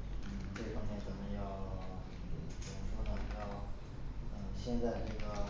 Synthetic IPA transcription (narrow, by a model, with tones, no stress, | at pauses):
n̩˥˩ʈ͡ʂɤ˥˩ɡʰɑ˥ŋmjɛ˥˩nt͡sə˨˩˥mə˧˥njɑ˥˧ʊ˥˩˧ | ʂwɔ˥nə˨˩ni˨˩jɑ˥˩ʊ | ə˧ɕjɛ˥˧nt͡sa˥˧ɪʈ͡ʂɤ˥˩ɡə˩